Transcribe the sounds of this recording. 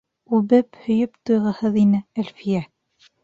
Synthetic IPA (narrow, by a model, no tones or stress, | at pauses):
ʉβɘphɵ̆jɵpt̪ujʁɤ̆hɤðinɘælfijæ